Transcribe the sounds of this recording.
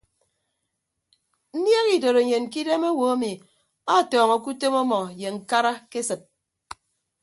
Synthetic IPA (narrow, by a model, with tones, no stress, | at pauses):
n̩˦nje˦ɣi˨do˨ɾe˨ɲe˨n˨ki˦de˦mo˦wo˨˦a˦mi˨ | a˦˨tɔː˨ŋɔ˨ku˦te˦mɔ˦mɔ˨je˨ŋ̩˨ka˦ɾa˦ke˦sɨ˨t̚